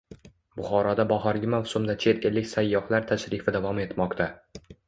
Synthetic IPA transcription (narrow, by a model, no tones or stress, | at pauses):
bʊχɒɾɒd̪abɒhɒɾɡʲɪmavsʊmd̪at͡ʃʰe̞t̪elːɪkʲsajːɒhlaɾt̪ʰaʃɾɪfɪd̪avɒme̞t̪mɒqt̪ʰa